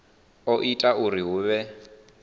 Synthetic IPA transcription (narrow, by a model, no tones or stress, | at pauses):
ɔʔitʼauriɦuːβɛ